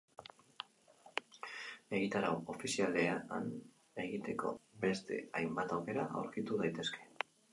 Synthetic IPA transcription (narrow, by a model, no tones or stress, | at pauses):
e̞ɣit̪aɾao̞fisiale̞aa̰n | e̞ɣit̪e̞ko̞̰be̞st̪e̞̰ajmbat̪awke̞ɾaʔa̰wɾkit̪uð̞ajt̪e̞ske̞̥